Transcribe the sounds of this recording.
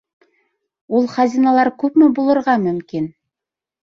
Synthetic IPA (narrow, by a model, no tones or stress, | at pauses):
ulˠχɑzʲinɑlˠɑɾkʉpmɘbulˠɤ̆ɾʁɑmɵ̆mkin